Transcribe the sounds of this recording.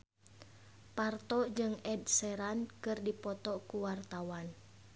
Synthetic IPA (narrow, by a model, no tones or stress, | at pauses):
part̪ɔʔd͡ʒɨŋɛd̚sɛɾankɨrdipɔt̪ɔkuwart̪awan